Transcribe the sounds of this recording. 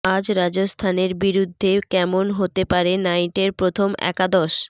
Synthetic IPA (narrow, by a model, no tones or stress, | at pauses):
ad͡ʑɾad͡ʑost̪ʰaneɾbiɾud̪ʱːekɛmonɦot̪epaɾenajʈeɾpɾot̪ʰomɛ̰kad̪ɔʃ